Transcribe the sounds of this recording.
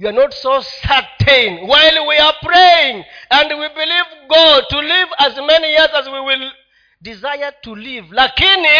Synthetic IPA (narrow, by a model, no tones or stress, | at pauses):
juanɔtsosatʰẽnwajlwiapɹejɪ̃ŋæ̃ndwibilivɡɔd̚tulivæzmɛnijizæzwiwil | dizajə˞tʰulivlakini